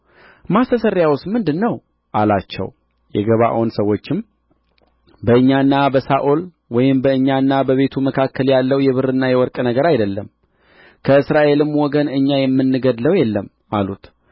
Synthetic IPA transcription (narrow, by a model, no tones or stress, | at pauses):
masəsəɾːjawʊsmɨnd̪ɨnːəw | ʔalat͡ʃːɛ̰w | jɛ̰ɡəβa̰ʔonsəwːo̞t͡ʃːɪm | bəɨɲːanːabəsaʔol | wɔjɪmbəɨɲːanːabəβe̞t̪ʰuməkʰakʰːəljalːəwjɛβɨrɨnːajɛwɔɾkʼnəɡəɾajd̪əlːəm | kʰəɨsɾaʔe̞lɨmːwɔɡənɨɲːajɛmːɨnːɨɡəd̪ləwjɛlːəm | alut̪